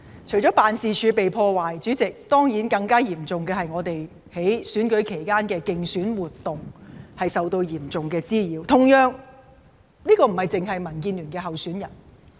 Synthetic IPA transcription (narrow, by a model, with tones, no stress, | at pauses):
t͡ʃʰɵ˨˩ɥt͡ʃɔː˨˥paː˨nsiː˨t͡ʃʰyː˨˧pe˨jpʰɔː˧waː˨jt͡ʃyː˨˥t͡sɪ˨k̚t̪ɔː˥ŋjiː˨˥nkɐ˧ŋkaː˥jiː˨˩mt͡sʊ˨ŋkɛː˧hɐ˨jŋɔː˨˧t̪e˨j | he˨˥jsyː˨˥nkɵ˨˥ɥjkʰe˨˩jkaː˥nkɛː˧kɪ˨ŋsyː˨˥nwuː˨t̪ːʊ˨ŋhɐ˨jsɐ˨wt̪o˧wjiː˨˩mt͡sʊ˨˩ŋkɛː˧t͡siː˥jiː˨˧wt̪ʰʊ˨˩ŋjœː˨˧ŋ | niː˥kɔː˧m̩˨˩hɐ˨jt͡sɪ˨ŋɦɐ˨jmɐ˨˩nk̬iː˧nlyː˨˩nkɛː˧ɦɐ˨wsyː˨˥njɐ˨˩n